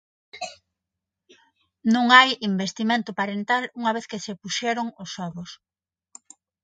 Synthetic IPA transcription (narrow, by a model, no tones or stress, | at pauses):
nũŋajimbest̪imẽnt̪ʊpaɾent̪aluŋɐβ̞eθkesepuʃɛɾʊŋosɔβʊs